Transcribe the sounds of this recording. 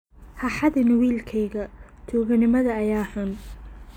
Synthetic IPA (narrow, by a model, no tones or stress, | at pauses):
hɑħɑðɪnwiːlkʰɛjɣɐt͡ʃ̪ʰuːɣɐnɪmɐðɐːjaːħʊn